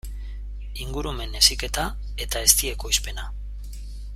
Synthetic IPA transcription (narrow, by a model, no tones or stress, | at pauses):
iŋɡuɾume̞ne̞sike̞t̪a | e̞t̪ae̞st̪ie̞ko̞jspe̞na